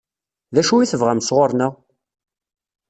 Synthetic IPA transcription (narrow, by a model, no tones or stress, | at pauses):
ðæʃuiθəvʁæmsʁoɾˤnəʁ